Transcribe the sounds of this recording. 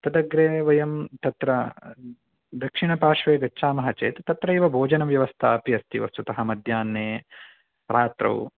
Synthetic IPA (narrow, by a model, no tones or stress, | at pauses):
t̪ɐd̪ɐɡɾeːʋɐjɐmt̪ɐt̪ɾɐ | d̪ɐkʂiɳɐpaːʂʋeːɡɐtːʃaːmɐɦɐt͡ʃḛːt̪t̪ɐt̪ɾɐiʋɐbʱoːd͡ʒɐnɐʋjɐʋɐst̪ʰaɐpjɐst̪ḭʋɐst̪ut̪ɐɦɐmɐd̪ʱjaːnːeː | ɾaːt̪ɾɐ̰w